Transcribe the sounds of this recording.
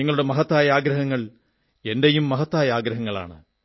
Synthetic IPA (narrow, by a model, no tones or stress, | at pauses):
iŋːɐɭuɽemɐɦɐt̪ːaːjɐaːɡɾɐɦɐŋːɐɭ | e̞ndejumːɐɦɐt̪ːaːjɐaːɡɾɐɦɐŋːɐɭa̰ːɳɨ